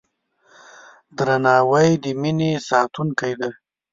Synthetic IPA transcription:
d̪ɾanɑːwajd̪əminesɑt̪unkajd̪a

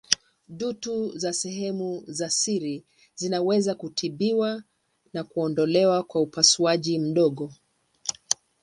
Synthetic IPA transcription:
ɗutuzasɛɦɛmuzasiɾi | zinawɛzakutʰiɓiwa | nakuɔndɔlɛwakwaupasuaʄim̩ɗɔɠɔ

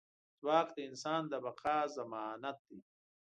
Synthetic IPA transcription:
z̥waːkd̪əɪnsaːnd̪əbɐqaːzɐmaːnat̪̚d̪i

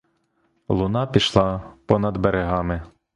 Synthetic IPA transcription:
lˠʊnɑpʲiʃlˠɑpɔnɐd̪beɾeɦɑmɪ

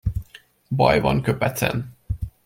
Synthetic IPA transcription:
bɒjvɒnkøpɛt̪sɛ̰n

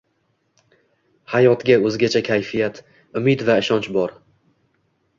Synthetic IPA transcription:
hajɒt̪ɡʲaɵzɡʲat͡ʃʰakʲʰajfijat̪ | ʊmɪd̪vaɪʃɒnt͡ʃbɒɾ

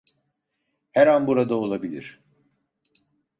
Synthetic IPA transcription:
hɛɾanbuɾad̪ao̞lˠabilʲḭɾ̥

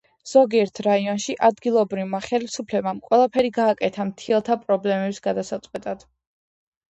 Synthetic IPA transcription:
z̥ɔɡiɛɾt̪ʰɾaiɔnʃiʔad̪ɡilˠɔbɾivmaχɛlisupʰlɛbamkʼwɛlˠapʰɛɾiɡaːkʼɛt̪ʰamt̪ʰiɛlˠt̪ʰapʼɾɔblɛmɛbsɡad̪asat̪sʼqʼwɛt̪ʼad̪̥

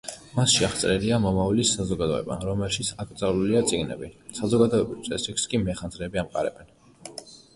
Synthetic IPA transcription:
masʃiaχt̪sʼɾɛliamɔmalisːazɔɡad̪ɔɛ̰ba̰ɾɔmɛlˠʃit̪sʰakʼɾt̪sʼavluliat̪sʼiɡnɛ̰bisazɔɡad̪ɔɛbist̪sʼɛsikʰskʼimɛχanzɾɛːbiamqʼa̰ɾɛ̰bɛn

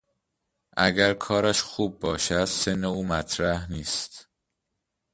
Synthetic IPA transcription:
ʔæ̰ɡæɾkʰɒːɾæʃxuːb̚ːɒːʃæd̪̥se̞nːeuːmæt̪ʰɾæhniːst̪

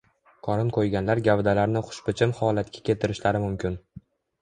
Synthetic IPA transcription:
qʰɒɾɪnqʰojɡʲanlaɾɡʲavd̪alaɾnɪχʊ̥ʃpɪt͡ʃʰɪmhɒlat̪kʲʰḁkʲet̪ɪɾɪʃlaɾɪmʊmkʲɪn

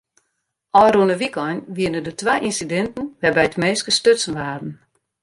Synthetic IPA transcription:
ʔɔjruənəʋikɔjnʋiənədətwajʔinsidɛntn̩ʋɛbɛjtmeːskəstøtsn̩ʋaːdn̩

